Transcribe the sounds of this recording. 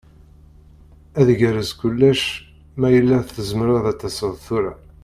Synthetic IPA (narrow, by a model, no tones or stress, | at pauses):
æðʝæɾəskʊlːæʃ | mæjəlːæθəzəməɾaðæt͡s̪ːæsəðˤθuɾæ